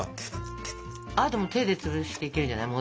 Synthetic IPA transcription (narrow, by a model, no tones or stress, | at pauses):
aɾɯt̪omot̪e̞ːd̪e̞t͡sɨβɯɕi̥t̪e̞ikeɾɯ̟ɲd͡ʑanaimo